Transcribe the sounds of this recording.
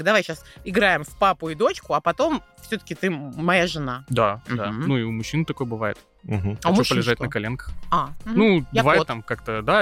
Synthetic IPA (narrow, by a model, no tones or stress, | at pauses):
kd̪ɐvajɕasɪɡɾaɪmfpapʊɪd̪o̞t͡ɕkʊɐpɐt̪o̞m | fsʲɵt̪ə̥kʲɪt̪ɨmɐjaʐɨnad̪ad̪anuɪʊmʊɕːint̪ɐko̞jbɨvajɪ̰t̪ | ɦ̩amopəlʲɪʐaɪt̪nəkɐlʲenkə̥xanubɨvajɪtt̪ːamkakt̪əd̪a